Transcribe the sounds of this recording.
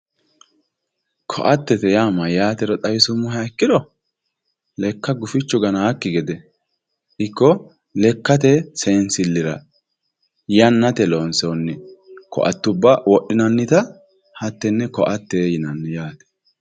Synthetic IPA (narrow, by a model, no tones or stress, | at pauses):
kʰɔ̰ʔɐt̪ːɛt̪ɛjaːmɐjaːt̪ɛɾɔt̪ʼɐjɪsʊmːʊɦɛkːɪd̪ɔ | lɛkːɐɡʊfɪt͡ʃːʊɡɐnaːkːɪɡɛd̪ɛ | ʔɪkːɔ | lɛkːɐt̪ɛsɛnsɪlːɪɾɐ | jɐnːɐt̪ɛloːnsonːɪkɔ̰ʔɐ̰t̪ːʊbːɐwɔɗːɪnɐnːɪt̪ɐ | hɐt̪ːɛnːɛkɔʔɐt̪ːɛjɪnɐnːɪjaːt̪ɛ̥